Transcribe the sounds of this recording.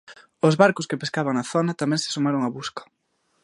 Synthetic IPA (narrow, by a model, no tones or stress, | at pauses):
ʊzβaɾkʊskepeskaβaŋaθonɐt̪amɛ̃ŋsɪ̥sumaɾoŋaβuskɐ̥